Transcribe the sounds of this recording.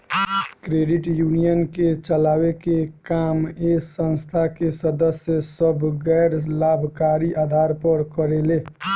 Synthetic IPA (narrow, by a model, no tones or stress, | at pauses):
kɾeːɖɪʈjunijənket͡ʃəlaːwekekaːmesə̃nst̪ʰakesəd̪əsjəsəbʱɡɛɪɾlaːbʱkaːɾiʔaːd̪ʱaːɾpəɾkəɾele